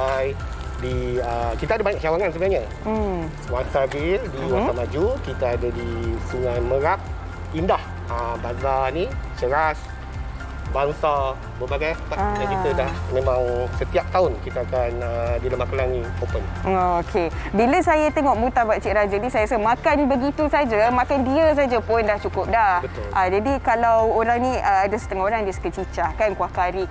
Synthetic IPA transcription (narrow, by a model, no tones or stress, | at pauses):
aj | diəkit̪aadabaɲak̚t͡ʃawaŋansəbəaɲə | waŋsabildiwasamad͡ʒukit̪aadadisuŋajməɾap̚ | indah | əbanzanit͡ʃəɾas | baŋsa | bəbaɡajaəpajakit̪ədahmẽmãŋsət̪iap̚t̪aʊnkit̪əakanədiləmakəlaŋnipopənookʰebilasajat̪eŋɔʔmut̪abat͡ʃiʔɾad͡ʒanĩsajasəmakanbəɡit̪usad͡ʒamakandiəs̬ad͡ʒapʊndaht͡ʃukʊp̚dahbət̪ʊlʔad͡ʒadikalawoɾaŋnĩəadasə̥t̪əŋahoɾaŋdiəsə̥kət͡ʃit͡ʃahkankuwahkaɾi